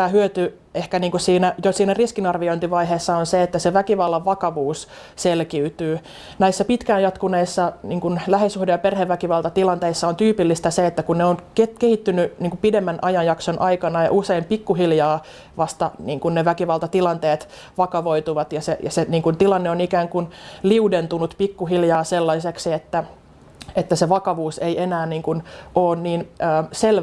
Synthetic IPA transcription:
æːhyøt̪y | ehkæniːŋkusiːnæjosiːnæriskinɑrʋioint̪iʋɑiɦeːsːɑonseet̪ːæseʋækiʋɑlːɑʋʋɑkɑʋuːs | selkiyt̪yː | næisːæpit̪kæːnjɑt̪kuneisːɑniːŋkunlæhesuhdejɑperheʋːækiʋɑlt̪ɑt̪ilɑnt̪eisːɑont̪yːpilːist̪æseet̪ːækunneonkekehit̪ːynyniːŋkupidemːænʔɑjɑjjɑksonʔɑikɑnɑjɑ̰ʔuseimpikːuɦiljɑː | ʋɑst̪ɑniːŋkunneʋækiʋɑlt̪ɑt̪ilɑnt̪eːt̪ | ʋɑkɑʋoit̪uʋɑt̪jɑsejɑseniːŋkunt̪ilɑnːeonikæːŋkunliudent̪unut̪pikːuɦiljɑːselːɑiseksiet̪ːæ | et̪ːæseʋɑkɑʋuːseienæːnniːŋkunʔoːnniːnəːsel

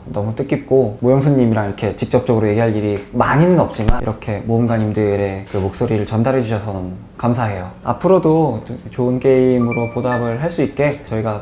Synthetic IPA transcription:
nʌmut͈ɯk͈ip̚k͈omojʌŋsʰuɲɲimiɾaŋiɾʌkʰe̞t͡ɕik̚t͡ɕ͈ʌp̚t͡ɕ͈ʌɡɯɾoje̞ɡiɦaʎːiɾimaɲinɯnʌp̚t͡ɕ͈imaḭɾʌkʰe̞moɯmɡaɲimdɯɾe̞kɯmok̚s͈oɾiɾɯɭt͡ɕʌndaɾɦe̞d͡ʑuɕʰʌsʰʌnʌmu | kamsʰaɦe̞joa̰pʰɯɾodot͡ɕoɯnke̞imɯɾopodabɯɭɦaɭs͈uit̚k͈e̞t͡ɕʌiɡa

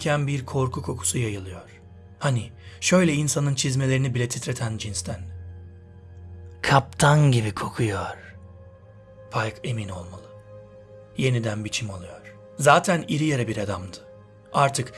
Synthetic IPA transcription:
cʰænbiɾkʰo̞ɾkʰukʰo̞kʰu̥sujajɯlˠɯjo̞ɾ̥ | hani | ʃø̞jlʲɛinsanɯnt͡ʃʰizme̞lʲeɾinibilʲɛt̪ʰit̪ɾe̞t̪ʰænd͡ʒinst̪ʰæn | kʰap̚t̪ʰanɟibikʰo̞kʰujoɾ̥ | pʰajkʰe̞mino̞̰lˠmalˠɯ | je̞nid̪ænbit͡ʃʰimalˠujo̞ɾ̥ | zaːt̪ʰæniɾijeɾɛbiɾad̪amd̪ɯ̥ | aɾt̪ʰɯk

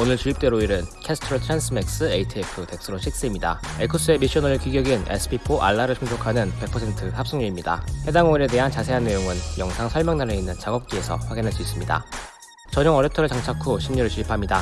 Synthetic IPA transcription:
onɯɭt͡ɕuip̚t͈e̞ɾoiɾɯnkʰesʰɯ̥tʰɯɾʌɭtʰɾans͈ʰɯmek̚s͈ɯe̞itʰiekʰɯte̞k̚s͈ɯɾonɕʰik̚s͈eimɲida̰ekʰus͈ɯemiɕ͈ʌnʌɾɯkiɡjʌɡinḛsʰɯ̥pʰipʰoʔa̰ɭːaɾɯɭt͡ɕʰuŋd͡ʑʰokʰanɯnpe̞k̚pʰʌsʰentʰɯhap̚s͈ɯŋɲuɾimɲida̰he̞daŋoiɾe̞de̞ɦant͡ɕasʰe̞ɦanːe̞joŋɯnjʌŋsʰaŋsʰʌɭmaŋnaɾeinːɯnt͡ɕaɡʌp̚k͈ie̞sʰʌ̰ɸwaɡinɦaɭs͈uis͈ɯmɲida̰ | t͡ɕʌɲʌŋʌɾetʰʌɾɯɭt͡ɕaŋt͡ɕʰakʰoɕʰimɲuɾɯɭt͡ɕuipʰamɲida

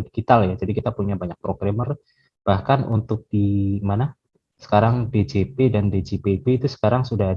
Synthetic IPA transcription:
diɡit̪aljad͡ʒadikit̪apuɲabaɲak̚pɾoɡɾamər | b̥ahkanṵnt̪ʊk̚d̥imana | sə̥kaɾaŋded͡ʒepedanded͡ʒepebeit̪usə̥kaɾaŋsuda

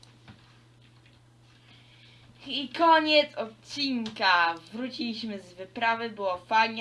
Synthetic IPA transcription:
ikɔɲɛt̪sɔt̪̚t͡ɕiŋkavɾut͡ɕilʲiɕmɘzvɘpɾavɘbɘwɔfaɲ

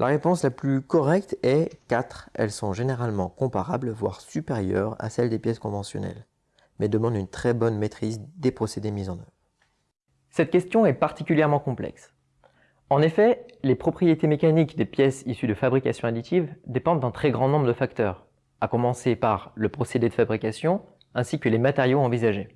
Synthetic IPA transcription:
lʔaʁepɔ̃slaplykɔʁɛk̚t̪ɛkat̪χɛ̰lsɔ̃ʒeneʁalmɑ̰̃kɔ̃paʁablvwa̰ʁsypeʁjœ̰ʁa̰sɛld̪epjɛskɔ̃vɑ̃sjɔ̰nɛ̰l | mɛd̪əmɑ̃d̪ynt̪χɛbɔnmet̪χizd̪epχɔsed̪emizɑ̃nœvʁ | sɛt̪̚kʲɛst̪jɔ̃ɛpaʁt̪ikʲyljɛʁmɑ̃kɔ̃plɛ̰ks | ɑ̃nefɛlepχɔpχijet̪emekanikd̪epjɛsisyd̪əfabʁikasjɔ̃ad̪it̪ʰivd̪epɑ̃d̪d̪ɛ̃t̪χɛɡʁɑ̃nɔ̃bʁəd̪əfak̚t̪œːʁ | akɔmɑ̃sepaʁləpχɔsed̪ed̪əfabʁikasjɔ̃ | ɛ̃sikəlemat̪eʁjoɑ̃vizaʒe

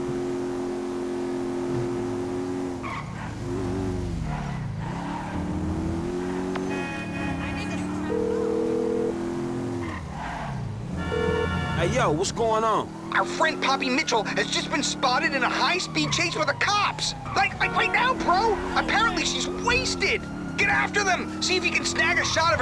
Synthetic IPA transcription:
ajoʊwʌtsɡ̥oʊɪ̃ŋə̃n | ʔaʊə˞fɹɛ̃nd̚pʰɑpimɪt͡ʃl̩ˠɨzd͡ʒʌsb̥ɨ̃nspɑɾɨɾɨ̃nəhaɪspid̚t͡ʃʰeɪswɨðɨkʰɑps | laɪklaɪklaɪk̚naʊbʰɹoʊ | əpʰɛɹɨ̃nʔliʃizweɪstɪd̚ | ɡ̥ɛɾæftə˞ðə̃m | siɨfjɨkɨ̃nsnæɡɨʃɑɾʌv̥

